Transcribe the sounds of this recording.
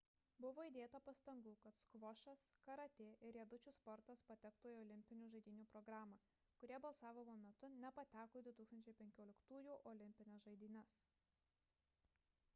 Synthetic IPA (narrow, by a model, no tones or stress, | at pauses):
bʊʋoːid̪ʲeːt̪ɐpɐst̪ɐŋɡuːkɐt̪skʋɔʃɐskɐɾɐt̪ʲeːʔɪɾʲiɛd̪ʊt͡ʃʲʊspɔɾt̪ɐspɐt̪ʲɛkt̪oːjɔːlʲɪmʲpʲɪnʲuːʒɐɪd̪ʲiːnʲuːpɾɔɡɾɑːmɐ | kʊɾʲiɛbɐlˠsɑːʋʲɪmomʲɛt̪ʊnʲɛpɐt̪ʲæːkoːd̪ʊt̪uːkst̪ɐnʲt͡ʃʲɛɪpʲɛŋʲkʲoːlʲɪkt̪uːjuːʔɔlʲɪmʲpʲɪnʲɛsʒɐɪd̪ʲiːnʲɛs